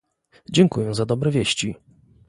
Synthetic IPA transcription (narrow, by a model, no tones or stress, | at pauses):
d͡ʑɛŋkujɛ̃zad̪ɔbɾɛvʲjeɕt͡ɕi